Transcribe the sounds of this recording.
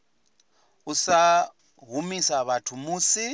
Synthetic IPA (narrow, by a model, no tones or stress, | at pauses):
usa | ɦumisaβatʰumuːsi